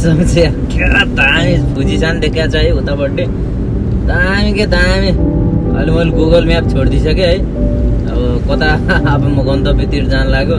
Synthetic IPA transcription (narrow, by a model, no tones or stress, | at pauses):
sʌmse | kʰeɾat̪aamibʱud͡zisand̪ekʰjat͡sʰʌɦiũt̪abʌʈːi | t̪aːmiket̪ãamiʌ̰limʌlɡoɡʌlmjap̚t͡sʰoɽd̪isʌkeɦʌj | ʌ̰bʌkʌt̪aːpmuɡʌnt̪ʌbʱit̪iʈd͡zanlaɡo